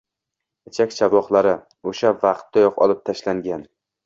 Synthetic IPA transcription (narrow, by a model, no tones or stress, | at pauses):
ɪt͡ʃʰakʲt͡ʃʰavɒχlˠaɾɪ | oʃavaqt̪̚ːajɒqɒ̰lˠɪp̚t̪ʰaʃlaŋɡʲan